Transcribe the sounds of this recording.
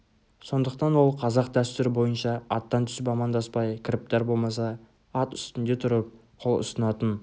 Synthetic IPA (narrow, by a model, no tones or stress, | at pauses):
so̞nd̪əqt̪ɑnwo̞lˠqʰɑzɑqd̪æst̪ʏɾɪbo̞jənʃɑɑt̪ːɑnt̪ʰʏ̥sɪpɑmɑnd̪ɑspɑjkʰʲɾɪp̚t̪ɑɾbo̞lˠmɑsɑ | ɑt̪ʏst̪ɪnd̪e̞t̪ʰʊɾəp̚qʰo̞lˠʊ̰sənɑt̪ən